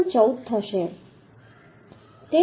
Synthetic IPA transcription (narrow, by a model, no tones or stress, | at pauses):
ɳt͡ʃəut̪t̪ʰːəʃe | t̪e